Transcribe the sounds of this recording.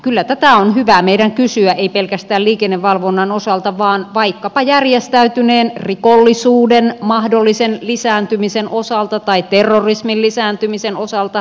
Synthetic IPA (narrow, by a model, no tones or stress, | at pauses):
kylːæt̪æt̪æonhyʋæmeiɾæŋkysyæʔeipelkæst̪æːlliːkenːeʋʋːɑlʋonːɑnosɑlt̪ɑʋɑːnʋɑikːɑpɑjærjest̪æyt̪yneːnrikolːisuːdenmɑhdolːisenlisæːnt̪ymisenʔosɑlt̪ɑt̪ɑit̪erːorismillːisæːnt̪ymisenosɑlt̪ɑ